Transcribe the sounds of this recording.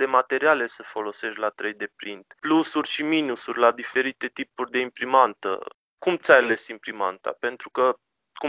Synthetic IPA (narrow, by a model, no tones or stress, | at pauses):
d̪e̞mat̪e̞ɾiale̞səfo̞lo̞se̞ʃt̪ʲlat̪ɾe̞jd̪e̞pɾint̪plusurʲʃiminusurʲlad̪ife̞ɾit̪e̞t̪ipurʲd̪e̞impɾimant̪ə̰ | kumt̪sʲajale̞simpɾima̰nt̪a̰pe̞nt̪ɾukə | ku